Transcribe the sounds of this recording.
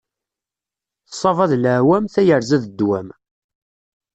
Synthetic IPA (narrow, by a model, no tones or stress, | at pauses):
θsˤːɑvɑðləʕwæmθæjəɾzæðəd̪ːwæm